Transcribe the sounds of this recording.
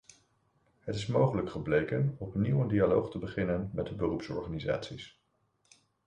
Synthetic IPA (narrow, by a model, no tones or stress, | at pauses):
ɦətɪsmowχələkχəblejkənɔpniwəndialowχtəbəχɪnənmɛt̚dəbərupsɔ̰ɹχaniza̰ːtsis